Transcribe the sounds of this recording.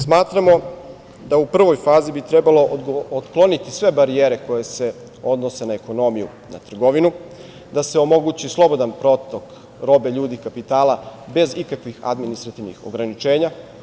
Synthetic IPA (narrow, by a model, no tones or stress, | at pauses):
smaːt̪ɾamo̞ | d̪aupr̩ʋo̞jfaːzibit̪ɾe̞balo̞ot̪klo̞nit̪isʋe̞baɾieːɾe̞ko̞je̞se̞ | o̞d̪no̞se̞naeko̞no̞mijṵ | na̰t̪r̩ɡo̞ʋinu | d̪ase̞o̞mo̞ɡuːt͡ɕislˠo̞bo̞d̪anpɾo̞t̪o̞k | ɾo̞be̞ʎuːd̪ikapit̪aːlabe̞zikakʋixa̰d̪minist̪ɾat̪iʋnḭxo̞̰ɡɾanit͡ʃe̞ːɲa